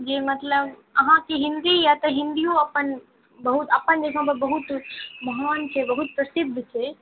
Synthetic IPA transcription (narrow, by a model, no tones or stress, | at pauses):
d͡ʑeːmɐt̪ləb | ɐɦãkiɦɪ̃nd̪ijat̪ɐɦɪ̃nd̪ijõɐpən | bɐɦʊt̪ɐpənd͡ʑeːsãbɐbɐɦʊt̪mɐɦaːnt͡ɕʰebɐɦʊt̪̚pɾɐsɪd̪ʱːt͡ɕʰeː